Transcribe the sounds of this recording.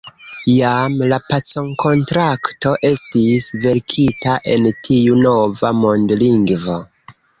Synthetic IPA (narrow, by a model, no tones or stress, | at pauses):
jamlapat͡so̞ŋkʰo̞ntɾakto̞ʔe̞stisve̞ɾkʰitaʔe̞ntʰiuno̞vamondliŋɡvo